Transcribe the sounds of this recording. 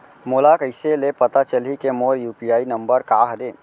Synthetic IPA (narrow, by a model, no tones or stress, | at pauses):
moːlakəɪselepət̪at͡ʃəlikemoːɾjuːpijaːinəmbəɾkaːɦəd̪e